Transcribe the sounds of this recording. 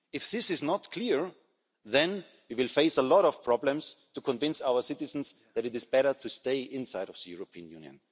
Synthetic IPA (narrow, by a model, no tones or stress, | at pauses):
ɪfðɪsɨznɔtkʰl̥iɹ | ðɛ̃n | wiwɪlˠfeɪsəlɔɾɔv̥pʰɹ̥ɑblə̃mstʰukʰɔ̃ɱvɪ̃nsaʊə˞sɪtɨzn̩s | ðæɾɨɾɨzbɛɾə˞tʰusteɪʔɪ̃nsaɪɾʌvðəjuɹopʰiə̃njʉ̰̃njɨ̰̃n